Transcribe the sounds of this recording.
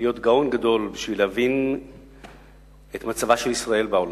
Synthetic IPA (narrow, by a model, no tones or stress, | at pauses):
ijo̞t̪ɡao̞nɡado̞lbiʃvilehavin | et̪mat͡savaʃe̞lisʁae̞lbeol